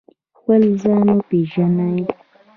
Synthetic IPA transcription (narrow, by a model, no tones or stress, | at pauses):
xwɛlzanopeʒanai